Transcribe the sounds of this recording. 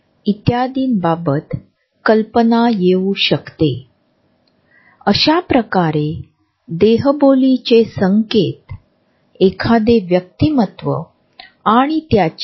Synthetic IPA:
it̪jad̪iːnbabət̪ | kəlpənajeuɕəkt̪e | əɕapɾəkaɾe | d̪eɦəbolit͡ɕesəŋket̪ | ekʰad̪eʋjək̚t̪imət̪ʋə̰ | aɽ̃it̪jat͡ɕ

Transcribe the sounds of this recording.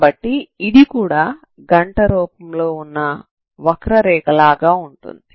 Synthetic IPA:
bɐʈːiːd̪ikuːɽaː | ɡɐɳʈɐɾɔːpɐmlo̞ːunːɐ | ʋɐkɾɐɾɛːkɐlaːɡaːuɳʈṵnd̪i

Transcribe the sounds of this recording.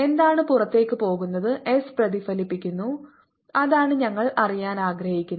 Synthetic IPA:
e̞nd̪aːɳɨpurɐt̪ːe̞ːkːɨpo̞ːɣunːɐðɨʔesprɐðifɐlipːikʲːunːu | ɐðaːɳɨɲɐŋːɐɭɐrijaːnaːɡɾɐhikʲːunː

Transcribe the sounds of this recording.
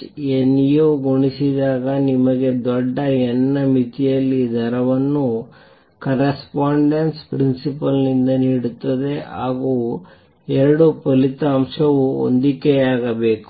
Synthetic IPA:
enːijoːɡoɳisid̪aːɡɐnimɐɡe̞d̪ɔɖːɐɛnːɐmit̪ijɐlːid̪ʱɐɾɐʋɐnːu | kɐɾɐspaːɳɖenspɾinsipɐlnind̪ɐniːɽut̪ːɐd̪e̞ɦaːɡuː | ɛɾɐɽupɐlit̪ɐːmʂɐʋuo̰nd̪ikeaːɡɐbe̞ːku̥

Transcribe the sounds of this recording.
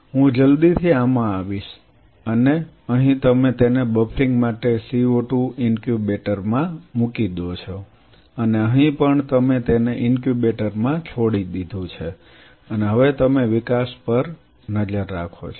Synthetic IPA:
ɦũd͡ʒəld̪it̪ʰiamãaʋiʃ | əne | əɦĩt̪əmet̪enebəpʰɾiŋɡmaʈesioʈũɪnkjubeʈəɾmãmukid̪ot͡ʃʰo | əneəɦĩpəɳt̪əmet̪eneʔɪnkjubeʈəɾmãt͡ʃʰoɽid̪id̪ʱũt͡ʃʰe | əneɦəʋet̪əmeʋɪkaspəɾ | nəd͡ʒəɾːakʰo̰t͡ʃʰo

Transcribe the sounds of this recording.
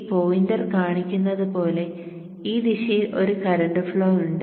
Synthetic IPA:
poːjindɐrkaːɳikʲːunːɐðɨpo̞ːle̞ | iːd̪iʂɐjilʔo̞ɾukɐɾɐɳɖɨfɭo̞ːuɳɖ

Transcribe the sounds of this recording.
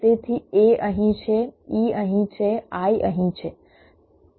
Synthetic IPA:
et̪ʰieəɦĩt͡ʃʰeiːəɦĩt͡ʃʰeaiʔə̰ɦĩt͡ʃʰe

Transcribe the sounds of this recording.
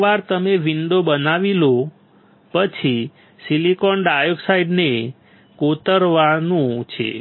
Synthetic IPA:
ʋaɾt̪əmeʋiɳɖobənaʋilo | pət͡ʃʰi | silikɔɳɖajoksaiɖne | kot̪əɾʋanũt͡ʃʰḛ

